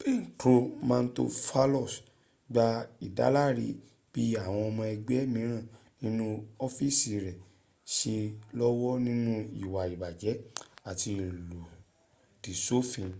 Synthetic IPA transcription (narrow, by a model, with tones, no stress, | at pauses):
be˦˨n̩˨to˧˦mã˦˧n̩˦to̰˧fa˦lɔ˦˨s | ɡ͡ba˧i˨da̰˨˦la˦ɾi˦ | b̥i˦a˦˨w̃ɔ̃˧ɔ˧mɔ̃˧ɛ˧ɡ͡bɛ˨˦mĩ˨˦ɾ̃ã˦˨ | nĩ˦nũ˦ɔ˦fi˦˨si˨ɾɛ˨ | ʃe˧lɔ˦wɔ˦nĩ˦nũ˦ḭ˦˨wa˨i˨ba˨d͡ʒɛ˨˦a˦˨ti˧˨lu˨ | d̥i˨so˦fĩ˧